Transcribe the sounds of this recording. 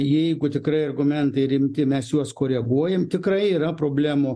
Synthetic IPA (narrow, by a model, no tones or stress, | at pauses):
jɛɪɡʊt̪ʲɪkɾɐɪɐrɡʊmʲɛnt̪ɐɪɾʲɪmʲt̪ʲɪmʲɛsjuɔskoːɾʲɛɡuɔjɛmt̪ʲɪkɾɐɪiːɾɐpɾoːbʲlʲæːmoː